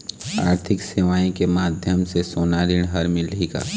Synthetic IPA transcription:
a̰ːɾt̪ʰɪksɪʋaːĩkemaːd̪ʱjəmsesoːnaːɾɪɽ̃ɦɐɾmɪliːɡa̰ː

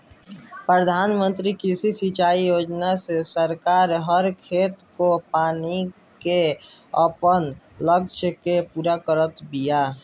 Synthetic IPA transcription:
pɾəd̪ʱaːnmə̃nt̪ɾikisisit͡ʃaːijoːd͡ʒnasesəɾkaːɾɦəɾkʰet̪kopaːni | keəpən | ləkʃʰəkepuːɾakəɾət̪bija

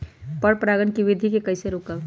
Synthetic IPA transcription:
pəɽpɾaɡənkiʋid̪ʱikekəɪseɾokəb

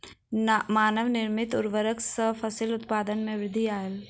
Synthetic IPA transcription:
maːnəʋnɪɾmɪt̪ʊɾʋəɾəksəfʰəsilʊt̪paːd̪ənmẽʋɾɪd̪ʱiaːjəl

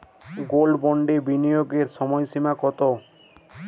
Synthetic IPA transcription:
ɡolɖbɔɳɖebinijoɡeɾʃɔmɔjʃimakɔt̪o

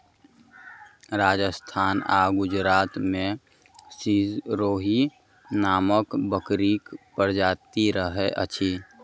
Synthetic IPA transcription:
ɾaːd͡ʒəst̪ʰaːna̰ːɡʊd͡ʒɾaːt̪mẽ | sizɾoːɦi | naːməkbəkɾiːkpəɾd͡ʒaːt̪iɾəɦeʔə̰t͡ʃʰiː

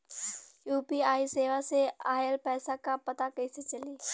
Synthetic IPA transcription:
juːpiaːiseːʋaseaːjəlpɛːsakãpɐt̪akɐiset͡ʃɐliː

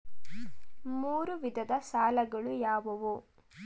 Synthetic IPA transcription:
muːɾuʋid̪ʱɐd̪ɐsaːlɐɡɐɭujaːʋɐʋu

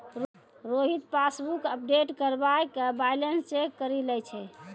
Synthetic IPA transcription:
ɾ | ɾoɦit̪pasbukəp̚ɖeʈkəɾbajkbajlənst͡ʃekːəɾilɛjt͡ʃʰɛ

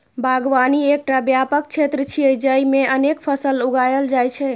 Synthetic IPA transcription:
bʱaɡʋaniek̚ʈabjapək̚t͡ʃʰet̪ɾət͡ʃʰiəd͡ʒəjmeənekpʰəsəluɡajəld͡ʒajt͡ʃʰɛ

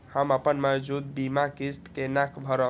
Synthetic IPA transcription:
həməpənmed͡ʒud̪̚bimakist̪kenakʰbʱəɾə

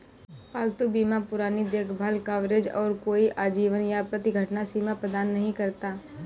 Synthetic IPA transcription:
paːlt̪ubiːmapʊɾaːnid̪eːkʰbʱaːlkaːʋɾed͡ʒɔːɾkoːiʔaːd͡ʒiːʋənjapɾət̪ɪɡʱɐʈnasiːmapɾəd̪aːnːɐɦĩkɐɾt̪aː

